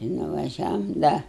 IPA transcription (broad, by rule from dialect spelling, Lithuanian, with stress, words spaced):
ɪ nʊʋɐˈʒʲæːʋoːm ˈdɐ